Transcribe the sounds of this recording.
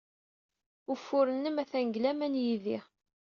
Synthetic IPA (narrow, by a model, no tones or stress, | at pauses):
ufːʊɾənːəmæθæŋɡlæmænjiðiʁ